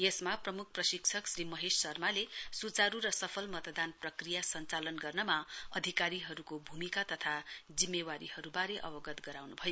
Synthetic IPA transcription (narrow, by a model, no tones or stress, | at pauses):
jesmaprʌmuk̚ʰprʌsikt͡sʰʌksɾimʌɦessʌrmalesut͡saɾuɾʌsʌpʰʌlmʌt̪d̪anprʌkrijasʌnt͡salʌnɡʌrnʌmaʌd̪ʱikaɾiɦʌɾukobʱumikat̪ʌt̪ʰad͡zimːewaɾihʌɾubaɾeʔʌbʌɡʌt̪ɡʌɾawnubʱʌjo